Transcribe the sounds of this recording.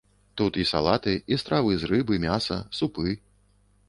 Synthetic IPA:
t̪ut̪isa̰lˠat̪ɨist̪ɾavɨzrɨbɨmʲasɐ̰supɨ

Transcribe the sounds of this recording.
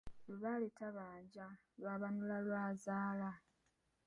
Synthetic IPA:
luβalitaβaːɲɟa | lwaβanulalwaːzaːla

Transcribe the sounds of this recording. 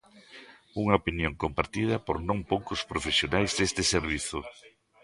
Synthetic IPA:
uŋɐopinjõŋkompaɾt̪ið̞ɐpoɾnõŋpowkʊspɾofesjonajzðest̪ɪseɾβ̞iθʊ

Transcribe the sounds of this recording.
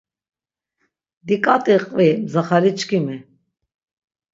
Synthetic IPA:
d̪ikʼat̪ʼiqʼvimzaχaɾit͡ʃkʰimi

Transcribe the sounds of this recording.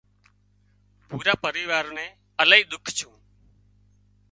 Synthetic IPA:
puːɾaːpəɾiːʋaːɾneː | əlaːiːɗ̪ʊkʰt͡ʃʰũː

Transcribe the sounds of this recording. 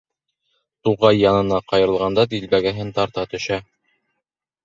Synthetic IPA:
t̪uʁɑjːɑnɤ̆nɑqɑjɤ̆ɾɤ̆lˠʁɑnd̪ɑd̪ilbæɡæɦɘnt̪ɑɾt̪ɑt̪ɵ̆ʃæ

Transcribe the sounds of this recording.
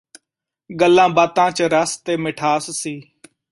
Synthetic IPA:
ɡəlːãːbaːt̪ãːt͡ʃəɾəst̪eːmɪʈʰaːssiː

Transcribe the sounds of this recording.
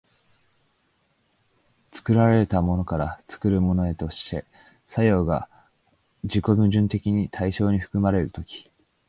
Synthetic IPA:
t͡sɨ̥kɯ̟ɾaɾe̞et̪amo̞no̞kaɾat͡sɨ̥kɯ̟ɾɯ̟mo̞no̞e̞t̪o̞ɕi̥t̪e̞ | sajo̞ːɡa̰ | d͡ʑiko̞mɯ̟ʑɨ̃nt̪e̞kʲiɲ̟it̪ʰaiɕo̞ːɲ̟iɸɯ̟̥kɯ̟maɾe̞ɾɯ̟t̪o̞kʲi̥

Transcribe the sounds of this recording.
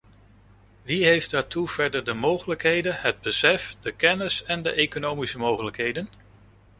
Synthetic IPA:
ʋiɦejfdaːɹtuv̥ɛɹdəɹdəmowχələkɦejdənɦəd̚bəsɛfd̥əkɛnəsɛndə̰ʔejkonowmisəmowχələkɦejdən

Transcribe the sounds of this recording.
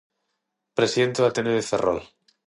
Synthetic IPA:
pɾesiðent̪eβat̪eneðeferʔo̰l

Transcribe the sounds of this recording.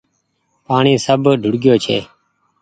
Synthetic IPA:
paːɳiːsəbʱɖʱʊɽɡjoːt͡ʃʰḛː

